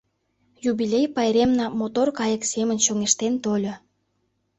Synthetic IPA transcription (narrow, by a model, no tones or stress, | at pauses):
jubilʲejpɑjɾemnɑmot̪orkɑjəksemənɕoŋeʃt̪ent̪olʲo